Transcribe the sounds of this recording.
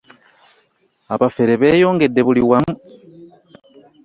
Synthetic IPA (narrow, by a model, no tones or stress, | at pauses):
aβafe̞ɾeβe̞ːjo̞ːŋɡe̞dːe̞βuliwamu